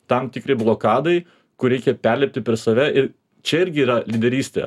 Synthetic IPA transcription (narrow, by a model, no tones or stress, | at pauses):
t̪ɐmt̪ʲɪkɾʲɪblˠoːkɑːd̪ɐɪ | kʊɾʲɛɪkʲɛpʲɛɾʲlʲɛpʲt̪ʲɪpʲɛɾsɐʋʲɛʔɪɾ | t͡ʃʲɛɪɾʲɡʲɪiːɾɐlʲid̪ʲɛɾʲiːsʲt̪ʲḛ